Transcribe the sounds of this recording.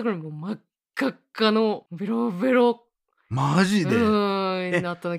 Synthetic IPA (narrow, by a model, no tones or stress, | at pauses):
ɡɯɭmwomakː | ak͈ːanobeɾobeɾok̚ | mad͡ʑide | inatʰanɯ